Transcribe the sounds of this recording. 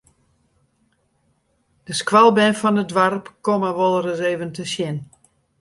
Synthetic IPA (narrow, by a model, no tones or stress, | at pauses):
d̥əskʋalˠbɛnfɔnədʋarpkoməʋolˠərəseːvəntəsjɪn